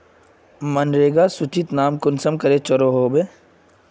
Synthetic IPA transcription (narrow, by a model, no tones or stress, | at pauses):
mɐnɾeːɡasʊt͡ʃit̪naːmkʊnsəmkɐɾet͡ʃəɾoːɦoːbeː